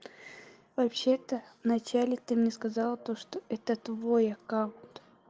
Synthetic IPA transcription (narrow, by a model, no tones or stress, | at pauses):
vɐpɕet̪əvnɐt͡ɕælʲɪt̪ɨmnʲɛskɐzalˠət̪oʂt̪oʔɛt̪ət̪vojɐkaʊnt̪